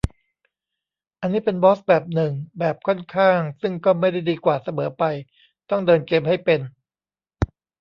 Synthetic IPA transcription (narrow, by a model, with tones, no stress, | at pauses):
ʔa˧nːiː˦˥pe˧nbɔː˦˥s̚bɛː˨˩p̚nɯ˨˩ŋbɛː˨˩p̚kʰɔ˥˩nkʰaː˥˩ŋsɯ˥˩ŋkɔː˥˩ma˥˩jda˥˩jdiː˧kwaː˨˩sa˧mɤː˩˦pa˧j | t̪ɔ˥˩ŋdɤː˧nkeː˧mha˥˩jpe˧n